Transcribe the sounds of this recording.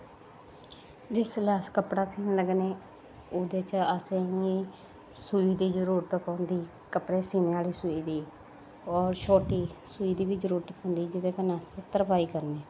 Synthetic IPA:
d͡ʒɪslaːskəpɽaːsiːnləɡneː | oːd̪eːt͡ʃəsẽiː | suːiːd̪iːzəɾuːɾət̪paːʊnd̪iː | kəpɽeːsiːneːaːliːsuːiːd̪iː | ɔːɾʃʰoːʈiːsuːiːd̪iːbiːzəɾuːɾət̪põːnd̪iːd͡ʒɪd̪eːkənaːset̪əɾpaːiːkəɾneː

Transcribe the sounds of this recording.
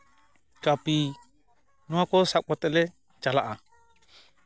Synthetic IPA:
kapi | nɔakɔsak̚ɔt̪ɛlɛ | t͡ʃalaʔa

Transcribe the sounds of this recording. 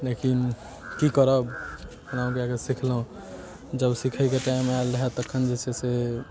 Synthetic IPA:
lekin | kikəɾəbhənaũkeakesikʰlũ | d͡ʒəbsikʰəjkeʈajmealəɦɛt̪əkʰːənd͡ʒet͡ʃʰɛse

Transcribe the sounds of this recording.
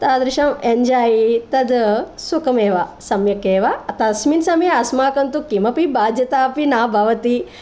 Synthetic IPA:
t̪aːd̪ɾɪʃɐmeɲd͡ʒaːjit̪ɐd̪sukɐmeːʋasɐmjɐkeːʋat̪ɐsminsɐmjeɐsmaːkɐnt̪ukimɐpibaːd̪jɐt̪aːpinaːbʱɐʋɐt̪i

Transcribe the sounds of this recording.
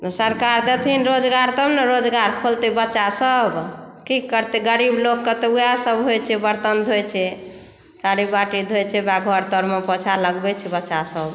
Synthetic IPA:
t̪ɔsəɾkaɾd̪et̪ʰinɾod͡ʒɡaɾt̪ɔbneɾod͡ʒɡaɾkʰolt̪ebətːt͡ʃasəb | kikːəɾt̪eɡəɾiblokːət̪eujasəbɦojt͡ʃʰɛbəɾt̪ənd̪ʱojt͡ʃʰɛ | kaɾibaʈid̪ʱojt͡ʃʰɛbaɡʱɔɾt̪ɔɾmepɔt͡ʃʰaləɡbɛt͡ʃʰɛbətːʃasəb

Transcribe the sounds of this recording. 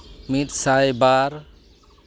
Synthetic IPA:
mit̪sajbaɾ

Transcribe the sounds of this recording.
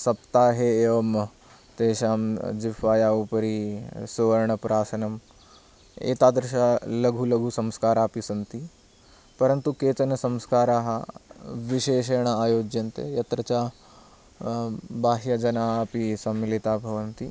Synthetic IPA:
sɐpt̪aːɦeeːʋɐm | t̪eːʃaːmd͡ʒifaːjaːupɐɾisuʋɐɾɳɐpɾaːsɐnɐm | ḛːt̪aːd̪ɾʃalɐɡʱulɐɡʱusɐmskaːɾaːpisɐnt̪i | pɐɾɐnt̪ukeːt͡ʃɐnɐsɐmskaːɾaːɦɐʋiʃeːʃeːɳ̃ɐaːjoːd͡ʒjɐnt̪ḛjɐt̪ɾɐt͡ʃaː | baːɦjɐd͡ʒɐnaːpisɐmːilit̪aːbʱɐʋɐnt̪i

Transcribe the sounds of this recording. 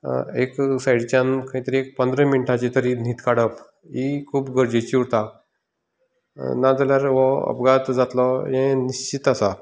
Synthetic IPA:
eksaiɽt͡ɕankaɦĩt̪əɾiek̚pənd̪ɾẽminiʈʰãt͡ɕit̪əɾin̤it̪kaɽəp | ikʰuːpɡʱəɾd͡ʑet͡ɕiuɾt̪a | nad͡zaljaɾʋɔə̰pɡat̪d͡zat̪lɔjɛ̃niɕt͡ɕit̪asa

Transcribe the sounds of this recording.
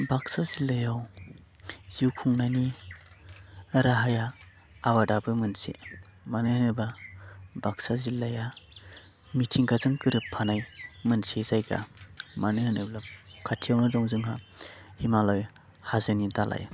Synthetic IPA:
baksazilajaw | ziwkʰuŋnani | ɾaɦajaː | badabɯmɯnsḛ | manɯhanɯbabaksazilːaja | mitʰiŋɡazɯŋkɯɾɯpʰːanajmɯnsezajɡa̰manɯhanɯblakʰatʰijawnɯdɔŋzɯŋɦa | himalɔj | hazɯnitalʔa̰j

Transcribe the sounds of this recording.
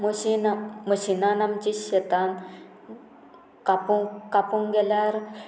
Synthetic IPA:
məɕinaməɕinanamt͡ɕiɕet̪an | kapukapuŋɡelaɾ

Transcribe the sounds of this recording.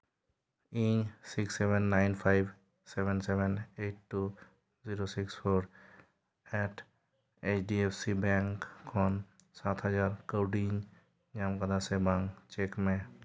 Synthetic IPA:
iɲsiksebenːaɪnpʰajb | sebensebeneʈʈːu | ziɾosikspʰoːɾ | ɛʈʰ | et͡ʃɖiepʰsibɛ̃ŋkʰːɔn | sat̪ʰɦəd͡ʒaːɾkəwɖiɲ | ɲamkəd̪asebaŋt͡ʃekmẽ

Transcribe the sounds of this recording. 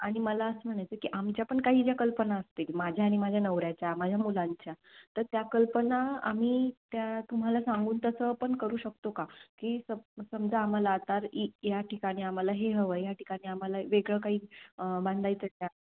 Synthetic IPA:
aɽ̃iməlaəsəm̤əɽ̃ajt͡səkiʔamt͡ɕjapəɳkaɦiːd͡ʑjakəlpənaəst̪ilmad͡ʑʱjaːɽ̃imad͡ʑʱjanəʋɾjat͡ɕjamad͡ʑʱjamulaɲt͡ɕjat̪əɾt̪jakəlpənaa̰m̤iːt̪jat̪um̤alasãŋɡuːnt̪əsəpəɳkəɾuːɕək̚t̪okakiːsəsəmd͡zaːm̤alaːt̪aɾijaʈikaɽ̃iːam̤alaɦeɦəʋəjaʈikaɽ̃iːam̤alaʋeɡɭəkaɦiːbãnd̪ʱajt͡sət̪ja

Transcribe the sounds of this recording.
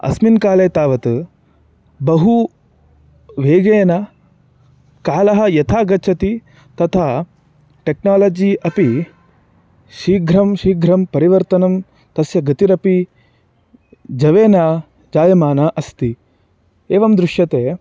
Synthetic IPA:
ɐ̰sminkaːleːt̪aːʋɐt̪ | bɐɦu | ʋeːɡeːnɐ | kaːlɐɦɐ̆jɐt̪ʰaːɡɐt͡ʃʰɐt̪i | t̪ɐt̪ʰaː | ʈeknaːlɐːd͡ʒiɐpi | ʃiːɡʱɾɐmʃiːɡʱɾɐmpɐɾiʋɐɾt̪ɐnɐm | t̪ɐsjɐɡɐt̪iɾɐpi | d͡ʒɐʋeːnaː | d͡ʒaːjɐmaːnaːʔɐst̪i | eːʋɐmd̪ɾuʂjɐt̪eː

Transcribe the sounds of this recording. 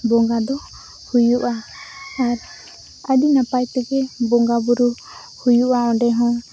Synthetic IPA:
bɔŋɡad̪ɔ | hujuʔaː | ɾ | adinapajt̪ɛɡɛbɔŋɡabuɾu | hujuʔaɔɖɛɦɔ̃

